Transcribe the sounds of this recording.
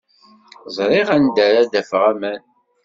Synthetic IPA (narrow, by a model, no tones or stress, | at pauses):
zˤɾˤiʁænd̪æɾad̪æfʁæmæn